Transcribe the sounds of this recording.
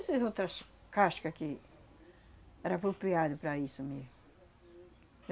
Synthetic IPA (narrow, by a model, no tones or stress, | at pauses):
sezot̪ɾɐskaʃkɐkɪ | ɛɾɐpɾopɾiad̪ʊpɾɐisʊmem